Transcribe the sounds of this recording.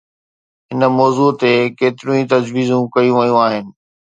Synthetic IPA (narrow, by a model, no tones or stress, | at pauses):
ɦɪnəmɔːzuːt̪ekeːt̪ɪɾũĩt̪ɐd͡ʑʋiːzũkɐijũʋɐijũaːɦɪnɪ̆